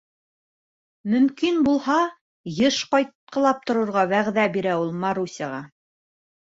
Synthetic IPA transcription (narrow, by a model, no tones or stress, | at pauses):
mɵ̆mkinbulˠhɑ | jɤʃqɑjt̪̚qɤ̆lˠɑp̚t̪ŏɾŏɾʁɑβæʁðæbiɾæulˠmɑɾusʲɑʁɑ